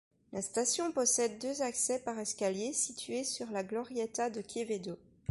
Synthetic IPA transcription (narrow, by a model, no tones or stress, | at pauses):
last̪asjɔ̃pɔsɛd̪ːøzaksɛpaʁɛskʲaljesit̪ɥesyʁlaɡlɔʁjɛt̪ad̪əkʰʲeved̪o